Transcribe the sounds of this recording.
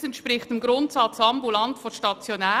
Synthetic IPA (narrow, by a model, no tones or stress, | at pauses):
sɛntʃpɾɪχtɪmɡɾʊntsɑt͡sɑmbulɑntfoʃtɑt͡sjonæː